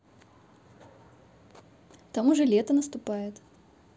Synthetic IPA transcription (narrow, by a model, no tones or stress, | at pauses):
t̪ɐmuʐɨlʲet̪ənəst̪ʊpajɪt̪